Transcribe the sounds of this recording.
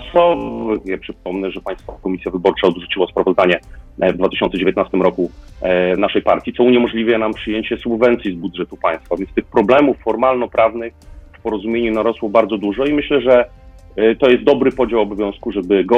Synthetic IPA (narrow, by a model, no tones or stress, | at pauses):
sɔvɡɛpʂɘp̚ɔmnɛʐɛpaj̃st̪fɔkɔmʲisʲjavɘbɔɾt͡ʂaɔd̪ʐut͡ɕiwɔspɾavɔzd̪aɲɛvd̪vat̪ɘɕɔnt̪sɛd͡ʑevʲjet̪nast̪ɘmɾɔku | naʂɛjpa̰ɾt̪ʲjit̪sɔuɲɛmɔʐlʲivɛnampʂɘjeɲt͡ɕɛsubvɛnt̪sʲjizbud̪ʐɛt̪upaj̃st̪favʲjɛnst̪ɘxpɾɔblɛmufːɔɾmalnɔpɾʔavnɘxfpɔɾɔzumʲjeɲunaɾɔswɔbaɾd̪zɔd̪uʐɔimɘɕlɛʐɛ | t̪ɔjɛst̪d̪ɔbɾɘpɔd͡ʑawɔbɔvʲjɔ̃w̃skuʐɛbɘɡɔ